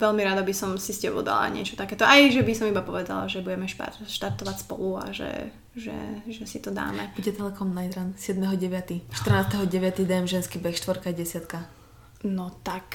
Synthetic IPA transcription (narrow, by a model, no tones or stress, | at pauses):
ʋɛlmiɾad̪abisɔmsiscɛbɔ̰ʊd̪a̰la̰ɲɪɛ̰t͡ʃɔt̪akɛːt̪ɔʔajʒɛbisɔmibapɔʋɛd̪a̰la̰ʒɛbuɟɛmɛʃta̰ʃt̪aɾt̪ɔʋacspɔ̰lua̰ʒɛ̰ | ʒɛ̰ʒɛsit̪ɔd̪a̰ːmɛ̰buɟɛt̪ɛlɛkɔmnajd̪ɾansɪɛd̪mɛɦɔɟɛʋɪat̪iʃt̪r̩naːst̪ɛɦɔɟɛʋɪat̪id̪ɛmʒɛnskibɛxʃt̪ʋɔɾkaɟɛsɪat̪ka | nɔt̪ak